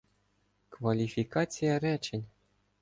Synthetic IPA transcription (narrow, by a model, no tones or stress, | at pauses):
kvalʲifʲikɑt͡sʲijɑɾʲæt͡ɕɘ̆nʲ